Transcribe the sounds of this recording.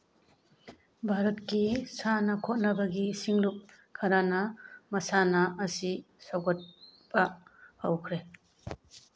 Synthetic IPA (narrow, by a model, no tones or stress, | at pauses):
bʱaɾɐtkisanɐkʰot̚nɐbɐɡisiŋluk̚ | kʰːɐɾanɐmɐsanɐʔːsi | sawɡɔt̚b̥ɐhɐ̰wkʰɾe